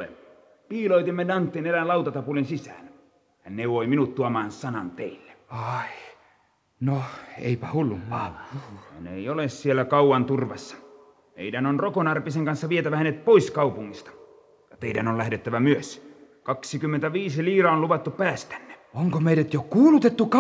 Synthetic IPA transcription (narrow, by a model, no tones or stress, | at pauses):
ḛ | piːloit̪imːedɑnt̪ːiːnelænlɑut̪ɑt̪ɑpulinsisæ̰ːn | hænneʋoiminut̪t̪uɑmɑːnsɑnɑnt̪eilːe̥ɑi | noḛipæhulːumpɑhæ̰nḛijolessielːˑækɑuwɑnt̪urʋɑsːɑ̥ | mḛidænonrokonɑrpiseŋkɑnsːɑʋiet̪æʋæhænet̪̚poiskɑupuŋːist̪ɑ̥ | jɑt̪eidæ̰nollæhdet̪ːæʋæmyøs | kɑksikymːent̪æʋiːsiliːrɑonluʋɑt̪ːuppæːst̪æ̥nːe̥oŋkomeiɾæt̪jokuːlut̪et̪ːuk